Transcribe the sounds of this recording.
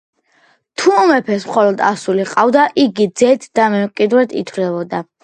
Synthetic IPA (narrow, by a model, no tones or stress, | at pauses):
t̪ʰuɔmɛpʰɛsmχɔlɔd̪a̰suliqʼavd̪aʔiɡid̪zɛt̪ʰd̪̥amɛmqʼid̪ɾɛt̪ʰḭt̪ʰvlɛbɔd̪a